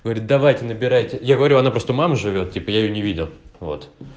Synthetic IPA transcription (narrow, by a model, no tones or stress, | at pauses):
ɡ̥əvɐɾʲit̪̚d̪ɐvajtʲɪnəbʲɪɾajtʲɪjaɡəvɐɾʲuɐnapɾo̞st̪əmaməʐɨvʲo̞t̪tʲːipəjaɪjonʲɪvʲidʲɪlˠvo̞̰t̪